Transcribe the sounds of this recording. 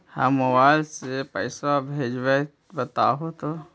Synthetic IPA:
hə̰mːəwalsepəjsabʱed͡ʒbe | bət̪aɦot̪o

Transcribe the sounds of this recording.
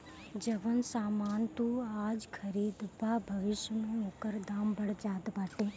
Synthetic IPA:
d͡ʒɐʋənsaːmaːnt̪uaːd͡ʒkʰɐɾiːd̪baːbʱɐʋɪʃjəmẽoːkəɾd̪aːmbɐɽd͡ʒaːd̪baːʈeː

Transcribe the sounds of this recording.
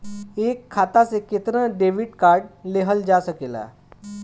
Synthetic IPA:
eːkʰːaːt̪asekɪt̪nãɖeːʋɪɖkaːɾɖ̚leɦəld͡ʒaːsɐkeːla̰ː

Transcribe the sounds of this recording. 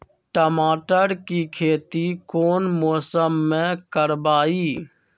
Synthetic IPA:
ʈəmaːʈəɾkikʰeːt̪ikoːnmoːsəmːẽkəɾbaːiː

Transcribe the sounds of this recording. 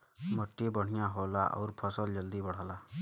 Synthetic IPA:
məʈːibɔɽ̤ijãɦoːlaʔɔ̰wɾpʰɔsəld͡ʒʌld̪ibɔɽ̤aːla

